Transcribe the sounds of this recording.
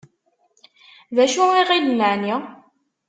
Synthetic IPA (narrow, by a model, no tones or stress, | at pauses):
ðæʃuiʁilənəʕni